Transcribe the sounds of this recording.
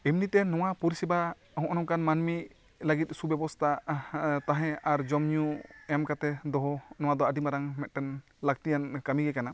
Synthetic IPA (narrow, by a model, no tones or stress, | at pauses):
imnit̪ɛnɔwapuɾisiba | hɔ̃ʔɔnɔmkanmanmi | laɡit̪̚ˀsubɛbɔst̪ʰat̪aɦɛ̃aɾd͡ʒɔmɲuɛmkat̪ɛd̪ɔɦɔnɔw̃ad̪ɔaɖimaɾaŋmɛt̪̚ʈɛn | lak̚t̪ijankamiɡɛkana